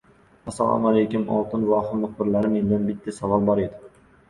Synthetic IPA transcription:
æsːɑ̰lˠɑ̰malejkʲɪmɒ̰lˠt̪ɨnvɑːχɨmʊq̚bɪɾlaɾɪmend̪anbɪt̪ːɪsɑvɑlˠbɒɾed̪ɪ

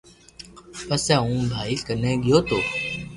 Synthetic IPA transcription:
pəsɛːũːbʱaːiːkənẽːɠɪjoːt̪oː

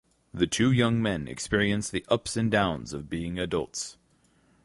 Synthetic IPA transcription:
ðɨtʰʉjʌ̃ŋmɛ̃nɨ̰kspɪɹiɨ̃nsðiʔʌpsɨ̃ndãʊ̃nzʌvbiɪ̃ŋɨdʌlˠts

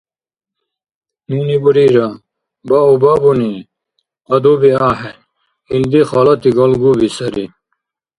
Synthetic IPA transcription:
nuːnibuɾiːɾɐ | baubabuni | ɐd̪ubiaːɦe | ind̪ixaːlɐt̪iɡɐlɡubisɐɾḭ

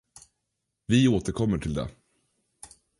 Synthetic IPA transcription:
vɪoːt̪əɾkʰɔmːəʈʰɪld̪ɛ̰

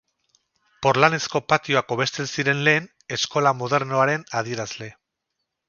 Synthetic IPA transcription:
po̞ɾlane̞sko̞pat̪io̞ako̞β̞e̞st̪e̞nsiɾe̞nle̞ːn | e̞sko̞lamoð̞e̞ɾno̞aɾe̞naðie̞ɾazle̞

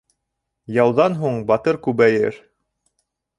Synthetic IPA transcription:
jɑwðɑnɦuɴbɑt̪ɤɾkʉβæjɘ̰ɾ

